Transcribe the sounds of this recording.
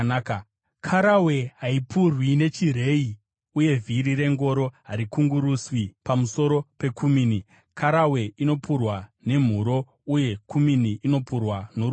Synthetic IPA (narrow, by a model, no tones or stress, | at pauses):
k | kʰaɾawe̞ɦaipurwine̞t͡ʃire̞i | uje̞vʱiɾiɾe̞ŋɡo̞ɾo̞ɦaɾikuŋɡuɾuswipamuso̞ɾo̞pe̞kʰumiːni | kʰaɾawe̞ʔino̞purwane̞m̤uɾo̞ | uje̞kuminiʔino̞purwano